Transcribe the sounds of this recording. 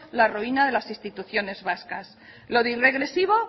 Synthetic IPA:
laroinað̞e̞lasist̪it̪uθjo̞ne̞zβaskas | lo̞ðire̞ɣ̞ɾe̞siβ̞o̞

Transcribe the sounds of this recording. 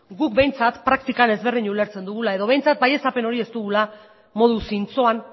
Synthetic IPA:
ɡuk̚be̞jnt͡sat̪pɾak̚t̪ikane̞zβe̞rðiɲule̞ɾt͡se̞nd̪uɣ̞ulae̞ðo̞β̞e̞jnt͡sat̪̚baje̞sape̞no̞ɾie̞st̪uɣula | mo̞ð̞usint͡so̞an

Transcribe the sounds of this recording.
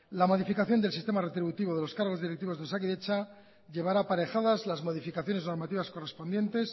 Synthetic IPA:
lamo̞ðifikaθjond̪elsist̪e̞mare̞t̪ɾiβut̪iβo̞ðe̞lo̞skaɾɣo̞zðiɾek̚t̪iβo̞zðesakiðet͡ʃa | ʎe̞β̞aɾapaɾe̞xaðazlazmo̞ðifikaθjo̞ne̞zno̞ɾmat̪iβasko̞re̞spo̞nd̪je̞nt̪e̞s

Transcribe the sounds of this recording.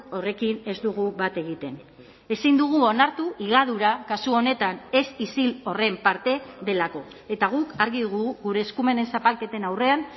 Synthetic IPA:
o̞re̞kine̞zd̪uɣ̞uβat̪e̞ɣit̪e̞n | e̞sind̪uɣ̞uo̞naɾt̪uʔiɣ̞aðuɾakasuo̞ne̞t̪ane̞sisilo̞re̞mpaɾt̪e̞ðe̞lako̞ | e̞t̪aɣ̞ukaɾɣiðuɣuɣuɾe̞ːskume̞ne̞nsapalke̞t̪e̞nawre̞an

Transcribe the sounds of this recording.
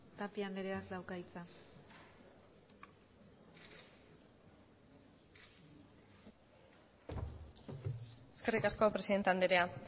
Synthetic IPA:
t̪apiand̪eɾeakd̪awkait͡sa | eske̞rikasko̞pɾe̞siðe̞nt̪eand̪eɾea

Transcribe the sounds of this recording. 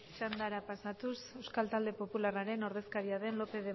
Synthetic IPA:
t͡ʃand̪aɾapasat̪use̞wskalt̪ald̪e̞po̞pularaɾe̞no̞ɾðe̞skaɾiaðe̞nlo̞pe̞ðe̞

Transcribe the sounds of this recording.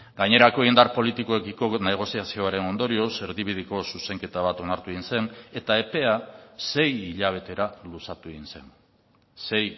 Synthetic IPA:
ɡaɲe̞ɾako̞eind̪aɾpo̞lit̪iko̞ekiko̞ne̞ɣ̞o̞siasio̞aɾe̞no̞nd̪o̞ɾio̞se̞ɾðiβið̞iko̞suse̞ŋke̞t̪aβ̞at̪o̞naɾt̪ueinse̞ŋe̞t̪ae̞pe̞ase̞jiʎaβ̞e̞t̪e̞ɾalusat̪ueɣinse̞n | se̞j

